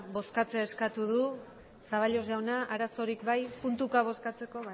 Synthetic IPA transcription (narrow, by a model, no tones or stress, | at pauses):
bo̞skat͡seeskat̪uðu | saβaʎo̞zʝawnaʔaɾaso̞ɾikbajpunt̪ukaβ̞o̞skat͡se̞ko̞β